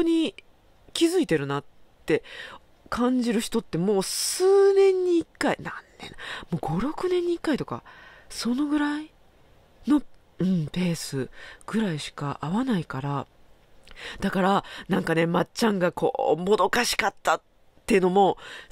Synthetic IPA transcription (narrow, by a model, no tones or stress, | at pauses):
oɲ̟i | kʲizɨit̪e̞ɾɯ̟nat | t̪ːe̞ | kʰãɲ̟d͡ʑiɾɯ̟çi̥t̪o̞t̪ːe̞mo̞ːsɨːnẽ̞ɲ̟ːiːkːaḭnanːḛ̃mo̞ːɡo̞ɾo̞kɯ̟nẽɲ̟ːiːkːait̪o̞ka̰so̞no̞ɡɯ̟ɾai | no̞ | ɯ̟̃ɴpe̞ːsɨɡ̥ɯ̟ɾaiɕi̥kaʔaβanaikaɾa | d̪̥akaɾanãŋkane̞mat͡ɕãŋɡakʰo̞̰ːmo̞d̪o̞kaɕi̥kat̪ːa | t̪ːe̞jɯ̟no̞mo̞